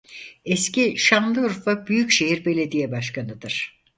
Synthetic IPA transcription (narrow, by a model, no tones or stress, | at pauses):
ɛsciʃanlˠɯɾfabyjycʃe̞ɦiɾbe̞lʲe̞d̪ijɛbaʃkʰanɯd̪ɯɾ̥